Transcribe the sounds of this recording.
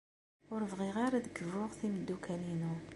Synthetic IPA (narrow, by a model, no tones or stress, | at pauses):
ʊɾəvʁiʁaɾaðəkːvʊʁθiməd̪ːukʰælinu